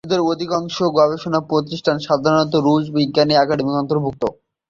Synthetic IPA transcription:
d̪eɾod̪ʱikaŋʃoɡɔbeʃonapɾot̪̬iʃʈʰanʃad̪ʱaɾonɔt̪oɾud͡ʑbiɡːaniakaɖemikɔnt̪oɾbʱuk̚t̪o

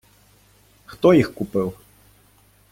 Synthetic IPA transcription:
xt̪ɔjixkupɨw

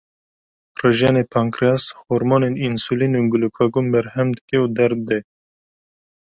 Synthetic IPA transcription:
rɨʒɛnepʰaŋkɾashoɾmoːneninsulinuːɡulukʰɑɡumbɛɾhɛmd̪ɨkɛuːd̪ɛɾd̪ɛ

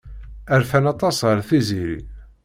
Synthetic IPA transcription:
æɾfænɑt̪ˤɑsəɾˤθiziɾḭ

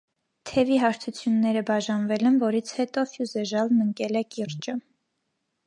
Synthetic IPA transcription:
t̪ʰɛviɦɑɾt̪ʰut͡sʰjunːɛɾəbɑʒɑnvɛlɛnvɔɾit͡sʰhɛt̪ɔfjuzɛʒɑlnəŋkɛlɛkiɾt͡ʃə

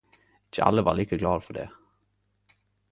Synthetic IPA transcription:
ɪt͡ʃəɑ̰lːəʋɑ̰ːʁliːkəɡlɑːd̪fɔɖ̪ḛː

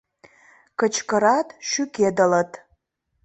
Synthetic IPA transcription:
kət͡ʃʰkəɾatʼʃykʰʲedalatʼ

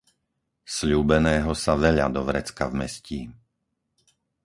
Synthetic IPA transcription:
sʎuːbɛnɛːɦɔsaʋɛʎa̰d̪ɔʋɾɛt͡skavmɛsciː

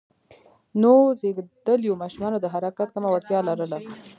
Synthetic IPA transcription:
nozeɡd̪̥əljomɑʃumɑnod̪əɦaɾakat̪̚kəmawaɽt̪jɑlaɾəla

